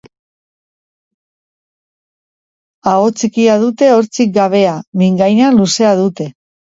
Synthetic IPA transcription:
aot͡sikiaðut̪e̞o̞ɾt͡sik̚ɡaβe̞amiŋɡajnaluse̞að̞ut̪e̞

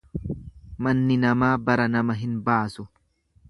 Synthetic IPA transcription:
mɐnːɪnɐmaːbɐɾɐnɐmɐɦɪnbaːsʊ

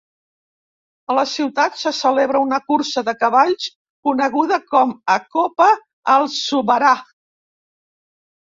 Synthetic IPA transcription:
ələsiwt̪at̪səsəleβɾəunəkuɾsəðəkəβaʎs | kunəɣ̞uðəkɔməkopəː | lˠsuβəɾa

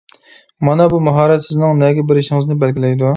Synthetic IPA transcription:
mɑnɑbumɑɦɑːɾɛt̪sɪznɪŋnɛɡʲɛbɪɾɪʃɪŋɨznɪbɛlɡʲɪlɛjd̪u

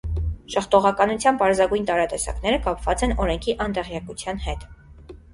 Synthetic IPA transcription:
ʃəχt̪ɔʁɑkɑnut͡sʰjɑnpɑɾzɑɡujnt̪ɑɾɑt̪ɛsɑ̰kn̪ɛɾəkɑpʰvɑt͡sɛnɔɾɛŋkʰiʔɑnt̪ɛʁjɑkut͡sʰjɑnhɛt̪

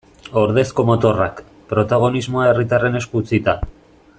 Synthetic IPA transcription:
o̞ɾðe̞sko̞mo̞t̪o̞rak | pɾo̞t̪aɣo̞nizmo̞ae̞rit̪are̞ne̞skut͡sit̪a

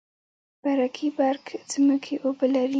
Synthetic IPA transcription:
b̥aɾakʰibaɾkt͡səməkʰeʔobəlaɾi

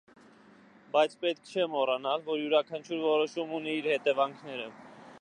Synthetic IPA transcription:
bɑjt͡sʰpɛt̪̚kʰt͡ʃʰɛmɔrɑnɑlvɔɾjuɾɑkʰɑnt͡ʃʰuɾvɔɾɔʃumuniiɾhɛt̪ɛvɑŋkʰnɛɾə

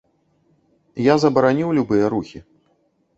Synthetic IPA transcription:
jazɐbɐɾanʲiwlʲubɨjɛɾuxʲi

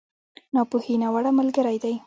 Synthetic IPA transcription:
nɑpuhinawaɽamalɡəɾajd̪aj

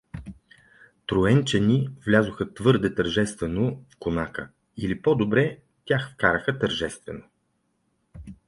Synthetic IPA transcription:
t̪ɾʊɛnt͡ʃɛnivlʲazʊxət̪vɤɾd̪ɛt̪əɾʒɛst̪vɛnofkonakə̰ | ilipɔd̪obɾɛ | t̪ʲjaxfkaɾəxət̪əɾʒɛst̪vɛno

